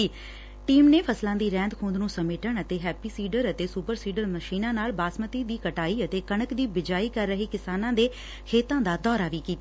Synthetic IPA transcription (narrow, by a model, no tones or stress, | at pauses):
ʈiːmneːpʰəslãːd̪iːɾɛ̃ːnd̪kʰũːnd̪nũːsəmeːʈəɳət̪eːɦɛːpiːsiːɖəɾət̪eːsuːpəɾsiːɖəɾməʃiːnãːnaːlbaːsmət̪iːd̪iːkəʈaːiːət̪eːkəɳ̃əkd̪iːbɪd͡ʒaːiːkəɾːəɦiːkɪsaːnãːd̪eː | kʰeːt̪ãːd̪aːd̪ɔːɾaːʋiːkiːt̪aː